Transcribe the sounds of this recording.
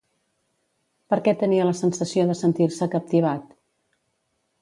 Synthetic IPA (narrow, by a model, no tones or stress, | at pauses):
pəɾkɛt̪əniələsənsəsioðəsənt̪iɾsəkəp̚t̪iβ̞at̪